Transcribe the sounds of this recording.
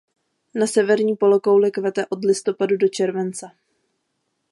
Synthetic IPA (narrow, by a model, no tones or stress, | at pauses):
nasɛvɛɾɲiːpo̞lokowlɛkvɛt̪ɛʔo̞dlɪst̪o̞padudo̞t͡ʃɛɾvɛnt͡sa